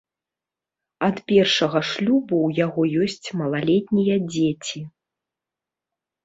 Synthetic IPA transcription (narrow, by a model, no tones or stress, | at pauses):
ɐt̪pʲɛrʂɐɣɐʂlʲubuwjaɣɔjɔsʲt͡sʲmɐlˠalʲɛt̪ʲnʲijɐd͡zʲet͡sʲi